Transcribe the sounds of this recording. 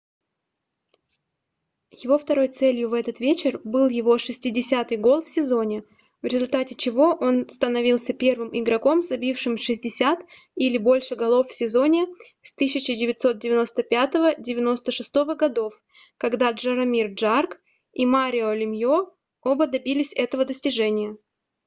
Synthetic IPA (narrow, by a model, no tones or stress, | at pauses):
jɪvo̞ft̪ɐɾo̞jt̪sɛlʲjʊvɛt̪ət̪vʲet͡ɕɪrbɨlˠjɪvo̞ʂɨsʲtʲɪdʲɪsʲat̪ɨjɡo̞lˠfsʲɪzo̞nʲɪ | vɾʲɪzʊlʲt̪atʲɪt͡ɕɪvo̞ʔo̞nst̪ənɐvʲilˠsʲəpʲe̞rvɨmʔɪɡɾɐko̞mzɐbʲifʂɨmʂɨzʲdʲɪsʲat̪ | ilʲɪbo̞lʲʂɨɡɐlˠo̞ffsʲɪzo̞nʲɪ | st̪ɨs̬ʲɪt͡ɕɪdʲɪvʲɪt̪ʲso̞t̪̚dʲɪvʲɪno̞st̪əpʲat̪əvədʲɪvʲɪno̞st̪əʂɨst̪o̞vəɡɐd̪o̞f | kɐɡd̪aʐɨɾɐmʲirʐark | imaɾʲɪolʲɪmjo | obəd̪ɐbʲilʲɪsʲɛt̪əvəd̪əsʲtʲɪʐɛnʲɪjə